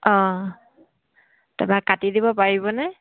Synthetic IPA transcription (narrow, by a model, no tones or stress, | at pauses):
ɔ̃ | tɛ̰bakatidibɔpaɹibɔnɛ